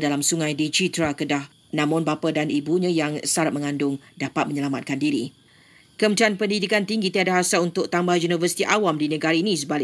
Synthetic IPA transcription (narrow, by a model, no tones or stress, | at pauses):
dalamsuŋãjdit͡ʃit̪ɾakədah | nãmɔnbapadanibuɲãjaŋsaɾat̪̚mə̃ŋãndʊŋdapat̪̚məɲəlamat̪̚kandiɾḭ | kəmət͡ʃanpəndidikant̪iŋɡit̪iadaɦasalunt̪ʊk̚t̪ambahjunivəsi̥t̪iʔawamdinə̃ɡaɾainĩs̬əbal